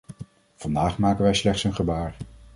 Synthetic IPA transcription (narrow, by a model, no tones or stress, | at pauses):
v̥ɑndaːχmaːkənʋɛjslɛχtsənχəbaːɹ